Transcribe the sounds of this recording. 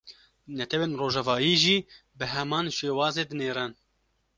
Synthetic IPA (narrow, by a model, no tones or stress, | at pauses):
nɛt̪ʰɛweːnroːʒɛvɑːjiːʒiː | bɨɦɛmɑːnʃeːwɑːzeːd̪ɨneːɾɛn